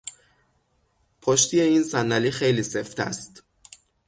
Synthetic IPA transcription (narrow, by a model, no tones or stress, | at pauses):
pʰoʃt̪ʰijeiːnsænːælixejliːseft̪ʰæ̰st̪